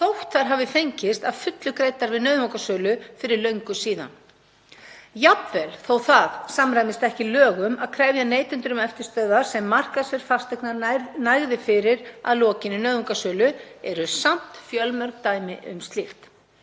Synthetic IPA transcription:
θowht̪θaɾ̥ɦavɪfejɲcɪst̪aðfʏt̪lʏkɾejt̪aɾvɪðnœːðmowkasœːlʏfɪɾɪɾlœɥŋkʏsiːða̰n | japvɛlθoːwθaðsamɾajmɪst̪ɛhcɪlœːɣʏmaðkʰɾɛːvjaneːjt̪ʏnt̪ʏɾʏmɛft̪ɪɾst̪œːððaɾ̥sɛmːar̥kasɪɾ̥fast̪ɛknanajɣðɪfɪɾɪɾa̰ðlɔːcɪnɪnœɥðmokasœːlʏɛɾʏsam̥t̪fjœlmœɾk̚t̪aːjmɪʔʏ̰mst̪lixt̪

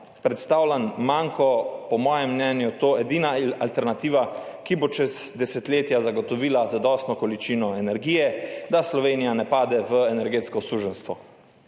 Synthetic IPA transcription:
pɾɛt̪st̪awlʲanmaŋkɔpɔmɔːjɛmːnɛːnjut̪oːɛd̪iːnaalt̪ɛɾnat̪iːʋa | kibot͡ʃɛzd̪ɛsɛt̪leːt̪jazaɡɔt̪ɔʋiːlazad̪ɔst̪nɔkɔlit͡ʃiːnɔɛnɛɾɡiːjɛd̪aslɔʋeːnijanɛpaːd̪ɛʋəɛnɛɾɡeːt̪skɔsuːʒənst̪ʋɔ

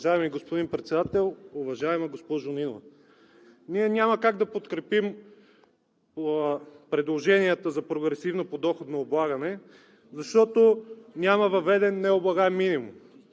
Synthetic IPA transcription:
ʒaɛmiɡospod̪inpɾɛt̪sɛd̪at̪ɛlˠʊvɐʒaɛmɐɡospɔʒʊninovɐ | niɛnʲaməkaɡd̪ɐpot̪kɾɛpim | pɾɛd̪lˠoʒɛniət̪əzɐpɾoɡɾɛsivnopod̪ɔxot̪nɐoblˠaɡɐnɛ | zɐʃt̪ɔt̪onʲamɐvɐvɛd̪ɛnːɛoblˠɐɡamːinimṵm

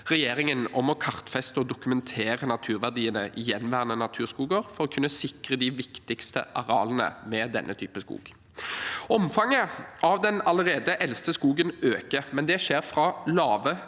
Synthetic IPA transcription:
ʁɛjeːɾɪŋənɔmɔkʰɑʁt̪fɛst̪əɔd̪ʊkʉmɛnt̪ʰeːʁənɑt̪ʰʉːʁʋæʁd̪iːənəʔɪjɛnːʋæːʁənənɑt̪ʰʉːʁskuːɡəʁfɔʁɔkʰʉnːəsɪkʁəd̪ɪʋɪkt̪ɪkst̪ə̰ʔɑʁɑ̰ːlənə̰mɛd̪ɛ̰nʔət̪ʰy̰ːpəskṵːɡ̥ | ɔmfɑŋːəʔɑʋd̪ɛnɑləʁeːd̪əʔɛlst̪əskuːɡənøːkəmɛnd̪ɛʃeːʁfʁɑlɑːʋə

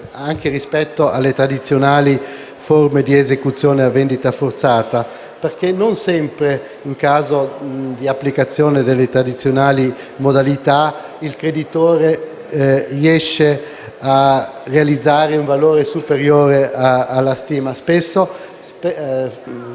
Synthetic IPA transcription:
aŋk̟erispɛt̪ːoalːet̪ɾad̪it̪sːjonaːli | formed̪iezekut̪sːjoːneavːend̪it̪afort̪saːt̪a | perk̟enonsɛmpɾe | iŋkaːzod̪iapːlikat̪sːjoːned̪elːet̪ɾad̪it̪sːjonaːli | mod̪alit̪a | ilkɾed̪it̪oːɾe | rjɛʃːe | a | rːealid̪zːaːɾeuɱvaloːɾesupeɾjoːɾeʔaalːast̪iːmaspesːo | sp

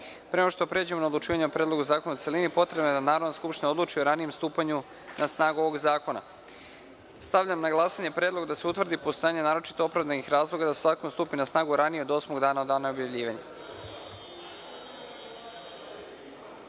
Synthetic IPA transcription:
pɾeonoʃt̪opɾe̞d͡ʑemonaod̪lˠut͡ʃiːʋaɲeopɾeːd̪loɡuzaːkonaut̪se̞linipo̞t̪ɾebnoed̪anaːɾod̪naskupʃt̪inaod̪lˠuːt͡ʃioɾanije̞mst̪uːpaɲu | nasnaːɡuo̞ʋo̞ɡzaːko̞na̰ | st̪aʋʎamnaɡlˠasaɲe̞pɾeːd̪lˠo̞ɡd̪aseut̪ʋrd̪ipo̞st̪ojaːɲe̞naːɾo̞t͡ʃit̪oopɾavd̪anixɾaːzlˠo̞ɡad̪asezaːkonst̪uːpinasnaːɡuɾanijeo̞d̪o̞smoɡd̪aːnao̞d̪aːnao̞bjaʋʎʲiːʋaɲa

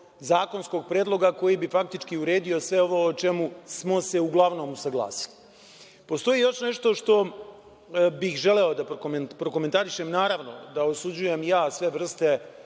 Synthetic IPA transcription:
zaːko̞nsko̞ːɡ̚pɾeːd̪lˠo̞ɡako̞jibifak̚t̪it͡ʃkiuɾe̞ːd̪io̞sʋe̞o̞ʋo̞ːot͡ʃemusmo̞se̞uɡlˠaʋno̞ːmusaɡlˠa̰ːsi̥li̥ | po̞st̪o̞jijo̞ʃne̞ʃt̪o̞ʃt̪o̞ | bixʒele̞o̞d̪apɾkompɾo̞koment̪aɾiʃemnaːɾaʋno̞̰d̪aosud͡ʑujemjaːsʋe̞ʋr̩st̪e̞

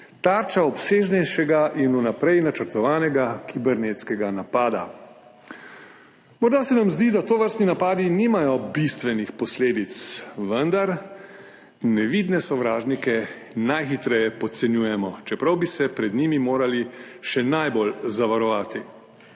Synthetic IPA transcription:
t̪aɾt͡ʃaɔpseːʒnɛjʃɛɡaʔinunapɾɛjnat͡ʃəɾt̪ɔʋaːnɛɡakʰibɛɾneːt̪skɛɡanapaːd̪a̰ | mɔɾd̪asɛnamzd̪id̪at̪oʋəɾst̪ninapaːd̪iniːmajɔbist̪ʋɛnixpɔsleːd̪it̪sʋənd̪aɾ | nɛʋid̪nɛsɔʋɾaːʒnikɛ | najxit̪ɾɛjɛpɔt̪sɛnjuːjɛmɔt͡ʃɛpɾɐwbisɛpɾɛd̪niːmimoːɾaliʃɛnajbolzaʋaɾɔʋaːt̪i

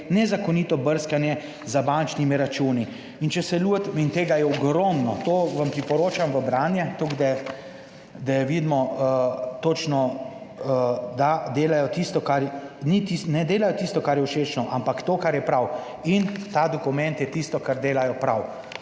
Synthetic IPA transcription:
nɛzakɔniːt̪ɔbəɾskanjɛ | zabant͡ʃnimiɾat͡ʃuːni | int͡ʃɛsɛlut̪int̪eːɡajɛɔɡɾɔmnɔt̪oːʋampɾipɔɾoːt͡ʃamʋəbɾaːnjɛt̪oɡd̪ɛ | d̪ajɛʋid̪mɔ | t̪oːt͡ʃnɔ | d̪ad̪eːlajɔt̪ist̪ɔkaɾnit̪isnɛd̪eːlajɔt̪ist̪ɔkaɾjɛwʃeːt͡ʃnɔʔampakt̪oːkaɾjɛpɾaw | int̪ad̪ɔkumɛnt̪jɛt̪ist̪ɔkaɾd̪eːlajɔpɾaw

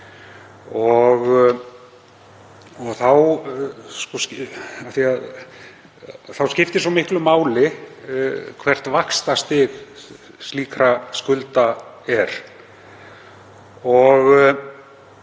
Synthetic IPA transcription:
ɔɣ | ɔɣθaw | skɔscaθiað | θawscɪft̪ɪsamɪhklʏmaːwlɪ | kʰvɛr̥t̪vakst̪ast̪ɪɣ | st̪liːkɾaskʏlt̪a | ɛɾ̥ | ɔɣ

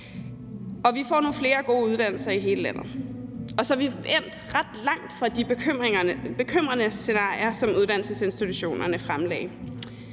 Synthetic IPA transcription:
ɒ̽ʋifɒ̰ːnuːfle̝ːɐɡ̥o̝̰ːuð̞ˠd̥æn̰l̩sɐiɦe̝ːləlæn̰ð̩ˠɒ̽sɒʋien̰d̥ʁad̥lɑ̈ŋ̰d̥fʁɑ̈d̥ib̥eøb̥e̝kʰøm̰ʁɐnəse̝nɑ̰̈ɪ̰iɐsɒ̽muð̞ˠd̥æn̰l̩səse̝nsd̥it͡sʰuɕo̝̰ːnɐnəfʁamlɛ̰ːɪ

